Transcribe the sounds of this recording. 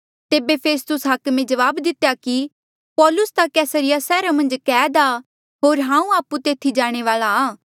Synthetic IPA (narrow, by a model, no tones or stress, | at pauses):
t̪eːbepʰeːst̪ʊsɦɐkmẽd͡ʒɐʋaːbd̪ɪt̪ejaki | pɔːlʊst̪akɛːsəɾɪjasɛːɾamɐ̃nd͡ʒkɛːd̪a | ɦoːɾɦãːũaːput̪eːt̪ʰid͡ʒaːɽ̃eʋaːlaaː